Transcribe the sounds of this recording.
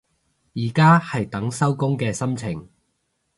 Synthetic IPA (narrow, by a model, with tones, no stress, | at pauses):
jiː˨˩kaː˥hɐ˨jt̪ɐ˨˥ŋsɐ˥wkʊ˥ŋkɛː˧sɐ˥mt͡sʰɪ˨˩ŋ